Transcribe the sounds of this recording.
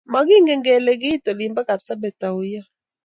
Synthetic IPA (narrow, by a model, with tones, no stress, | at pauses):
ma˨ɡɪ˦ŋɡɛ˨ŋɡɛ˨lɛ˨ɡɪ˦to˨li˨mba˦ka˨bsa˦bɛ˨ta˨u˨ja˦